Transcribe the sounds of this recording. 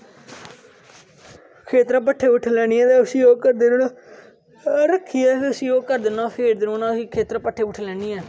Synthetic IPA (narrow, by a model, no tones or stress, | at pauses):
kʰeːt̪ɾãːpəʈʰːeːbɪʈʰːlɛːɽ̃iːɛ̃ːt̪ɛːʊsĩːoːkəɾd̪eːnəɽ | ɾəkʰːiːɛːkiəsĩːoːkəɾd̪eːnãːpʰeːɾd̪ɪnõːnãːsiːkʰeːt̪ɾaːpəʈʰːeːbɪʈʰːlɛːɽ̃iːɛː